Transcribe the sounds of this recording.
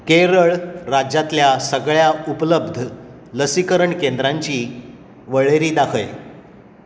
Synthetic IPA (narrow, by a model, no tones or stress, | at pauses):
keɾəɭɾad͡ʑat̪ljasəɡɭjaupləbd̪ʱ | ləsikəɾəɳkend̪ɾaɲt͡ɕiː | ʋəɭeɾiːd̪akʰəj